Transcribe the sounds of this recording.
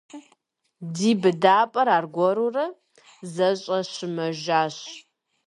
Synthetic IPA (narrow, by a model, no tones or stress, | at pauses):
diːbɨdaːpʼɐɾaːrɡʷɔɾurɐ | zɐɕʼɐɕɪmɐʒaːɕ